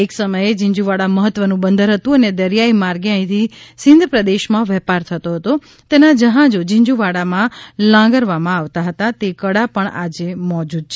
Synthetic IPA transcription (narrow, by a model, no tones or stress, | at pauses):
eksəməjed͡ʒɪ̃ɲd͡ʒuʋaɽaməɦət̪ːʋənũbənd̪ʱəɾɦət̪ũəned̪əɾjaimaɾɡeãĩt̪ʰisɪ̃nd̪ʱəpɾəd̪eʃmãʋɛpaɾt̪ʰət̪oɦət̪o | t̪enad͡ʒəɦãd͡ʒod͡ʒɪ̃ɲd͡ʒuʋaɽamãlãɡəɾʋamãaʋt̪aɦət̪at̪ekəɽapəɳa̰d͡ʒemɔd͡ʒud̪̚t͡ʃʰe